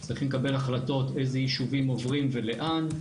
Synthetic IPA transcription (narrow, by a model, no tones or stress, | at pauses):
t͡sʁiχimlekabe̞laχlat̪o̞t̪e̞jzejiʃuvimo̞vʁimveleʔan